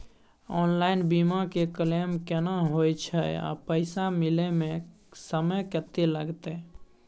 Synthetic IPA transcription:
ɔːnlaɪnbimakekəlemkenaɦojt͡ʃʰɛa̰pəɪsamilemẽ | səməjkət̪eləɡt̪e

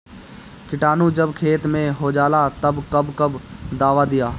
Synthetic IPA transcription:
kɪʈaːnud͡ʒəbkʰeːt̪mẽɦod͡ʒaːlat̪ɐbkɐbkɐbd̪aːʋad̪ijaː

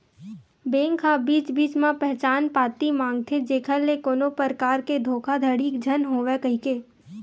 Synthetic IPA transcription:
beːŋkʰabiːt͡ʃbiːt͡ʃmãpɛɦt͡ʃaːnpaːt̪imãːŋɡ̚t̪ʰed͡ʒeːkʰəlːekoːnopəɾkaːɾked̪ʱoːkʰad̪ʱəɽiːkd͡ʒʱənɦoːʋekəɦikeː

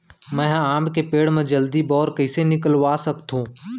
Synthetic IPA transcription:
mɛ̃aːmkepeːɽmẽd͡ʒəld̪ibɔːɾkəɪsenɪkəlʋasəkt̪ʰũː

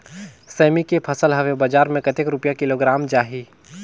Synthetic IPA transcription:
sɛːmikepʰɐsəlɦɐʋebad͡ʒaːɾmẽkɐt̪ekɾʊpijakɪloːɡɾaːmd͡ʒaːɦi

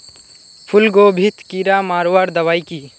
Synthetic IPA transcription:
pʰʊlɡoːbʱit̪ʰkiɾaːmaːɾoʋaɾd̪ɐʋaːikiː

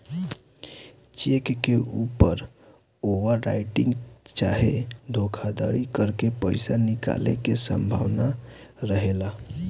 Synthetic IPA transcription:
t͡ʃekkeupəɾ | oʋəɾːa̰ɪʈĩŋɡt͡ʃa̰ɦed̪ʱokʰad̪a̰ɾikəɾkepəɪsanika̰lḛkesə̰mbʱa̰ʋna | ɾəɦela

